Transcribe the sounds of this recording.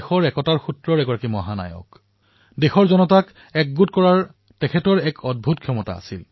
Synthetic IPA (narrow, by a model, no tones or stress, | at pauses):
xɔɹɛkɔtaɹxutɹɔɹɛɡɔɹakimɔɦana̰jɔ̰k | dexɔɹzɔnɔtak | ɛk̚ɡutkɔɹaɹ | tɛkʰɛtɔɹɛkʰɔd̚bʱutkʰːjɔmɔta̰a̰sil